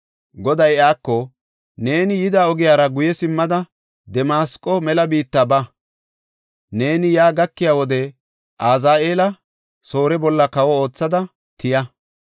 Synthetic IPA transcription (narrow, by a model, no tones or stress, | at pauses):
ɡɔd̪ɐjaːkːɔ | ne̞ːnɪjɪd̪aːɔɡɪjaːɾɐɡʊjɛsɪmːɐd̪ɐ | d̪ɛmaːskʼːɔmɛlɐbiːt̪ːabɐ | ne̞ːnɪjaːɡɐkːɪjaːwɔd̪ɛ | ʔaːzaːʔe̞ːlɐ | so̞ːɾɛbɔlːɐkɐwɔo̞ːt͡sːɐd̪ɐ | t̪ʰɪjɐ